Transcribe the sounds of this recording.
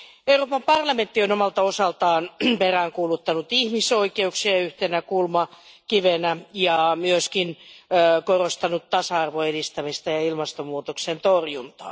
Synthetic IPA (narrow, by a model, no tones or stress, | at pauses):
euroːpɑmpɑrlɑment̪ːionomɑlt̪ɑosɑlt̪ɑːnperæːŋkuːlut̪ːɑnut̪ihmisoikeuksiɑyht̪enækulmɑkiʋenæjɑmyøskin | korost̪ɑnut̪t̪ɑsɑɑrʋoedist̪æmist̪ɑjɑilmɑst̪omuːt̪oksent̪orjunt̪ɑ̰ː